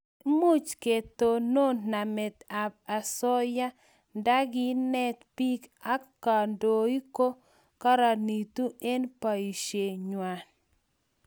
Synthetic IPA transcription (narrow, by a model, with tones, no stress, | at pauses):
mu˦t͡ʃke˨t̪o˨no˦na˨mɛ˨t̪a˨b̚a˨sɔ˦ja˦ | nda˦ɡɪ˦nɛ˦t̪pi˦ka˦kːa˨ndo˨i˦ko˦ | ka˦ɾa˨ni˨t̪u˦e˦npa˨i˨ʃe˨ɲwa˨n